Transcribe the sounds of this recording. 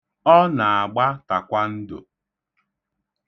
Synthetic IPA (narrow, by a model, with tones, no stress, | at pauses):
ɔ˦na˨a˨ɡ͡ba˦ta˨kʷa˦n̩˦dʊ̰˨